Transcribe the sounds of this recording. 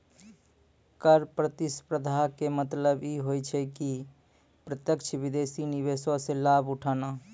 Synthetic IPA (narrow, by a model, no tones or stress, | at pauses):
kəɾpɾət̪ɪspɾəd̪ʱakemət̪ləbjiɦoːjt͡ʃʰɛki | pɾət̪jəkt͡ʃʰʋɪd̪eːsinɪʋeːsoselaːbʊʈʰaːnaː